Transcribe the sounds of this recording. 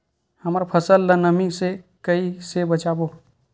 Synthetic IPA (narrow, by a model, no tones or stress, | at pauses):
həmɾapʰəsəlːənəmisekəisebət͡ʃaːboː